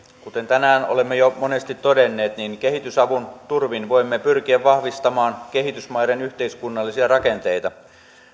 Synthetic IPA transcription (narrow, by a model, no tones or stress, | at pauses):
kut̪e̞nt̪ænæːno̰lemːejomo̞ne̞st̪it̪ːodenːe̞ːt̪niŋke̞ɦit̪ysɑʋunt̪urʋinʋo̞imːepyrk̟iæʋʋɑhʋist̪ɑmɑːnk̟eɦit̪ysmɑjɾenyht̪eiskunːɑlːisiɑrɑke̞nt̪e̞jt̪ɑ